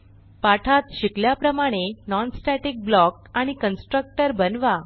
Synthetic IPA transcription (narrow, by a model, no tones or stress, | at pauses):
paʈʰat̪ɕikljapɾəmaɽ̃enɔnsʈɛʈik̚blɔk̚ | aɽ̃ikənsʈɾək̚ʈəɾbənʋa